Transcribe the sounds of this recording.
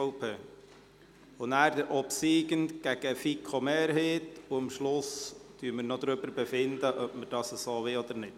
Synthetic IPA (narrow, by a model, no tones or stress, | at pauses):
pʰeː | ʊnæːɾd̪əɾʔɔpsiːɡənt̪ɡ̥æɡ̥əfikʰomeːɾɦetuəmʃlʊsd̥yːməɾnɔd̪ɾʏbəɾbɛfɪndəʔœpməɾd̥ɑːsəsoːʋɪlɔd̪əɾnɪt